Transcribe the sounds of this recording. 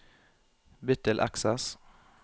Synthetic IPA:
bɪt̪əlʔæ̰ksəs

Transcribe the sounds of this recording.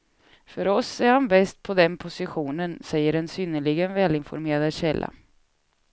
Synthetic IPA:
fœɾɔsæɾhanbɛst̪̚pʰɔd̪ɛnpʰʊsɪɧuːnənsɛjːəɾɛnsʏːnəlɪɡənvɛːlɪnfɔ̰ɾmeːɾad̪ɕɛlːʔa̰

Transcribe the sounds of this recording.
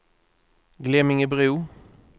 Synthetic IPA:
ɡleːmɪŋibʁʉː

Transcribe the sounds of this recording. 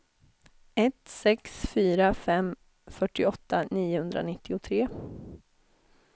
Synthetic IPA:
ɛt̪sɛksfyːɾafɛm | fœʈːɪɔt̪ːaniːʊhɵnd̪ɾa̰nɪt̪ːɪʊt̪ʰɾeː

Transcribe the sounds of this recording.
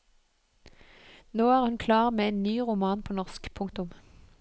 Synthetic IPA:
noːæːʁhʉnkʰlɑːʁmeːeːnnyːʁʊmɑːnpʰoːnɔʁskpʰʊŋk̚t̪ʊm

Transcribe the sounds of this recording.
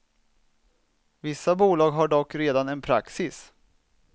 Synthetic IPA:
vɪsːabuːlɑːɡɦaɖɔkːɾeːd̪anɛnpʰɾa̰ksɪs

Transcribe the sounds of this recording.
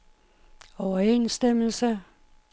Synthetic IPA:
ɒʊɐḛːnsd̥eml̩sə

